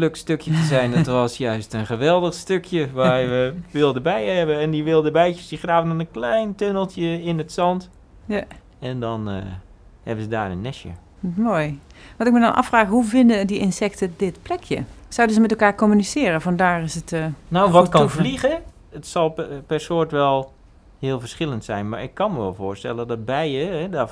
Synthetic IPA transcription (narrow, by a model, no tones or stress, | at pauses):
løkstøkjətəzɛjndtʋɔsjœɥstənχəʋɛlˠdəxstøkʰjəʋaɹʋəʋɪlˠdəbɛjhɛbəɛndiʋɪlˠdəbɛjt͡ʃəsdiχraːvənɔnənklɛjntønəlˠtjəɪnətsɑnt | ja | ɛndɔnə | hɛ̰bəzəda̰ːrə̰nːɛʃjə̰ | moːjʋɑntɪkmədɔnʔa̰fraːxɦuvɪndədiʔɪnsɛktədɪtplɛkʰjə̰sɑwdəzəmɛtɛlˠkaːɹkomynisɪːɾəfɔndaːrɪsətːnawʋɔkɔnvliɣə | ətsɑlˠpɛrsʊərtʋɛlˠ | hɪːəlˠvərsχɪlˠəntsɛ̰jnma̰ɹɪkʰːɑnməʋɛ̰lˠvʊːɹstɛ̰ləndɔt̚bɛjəɛdɔ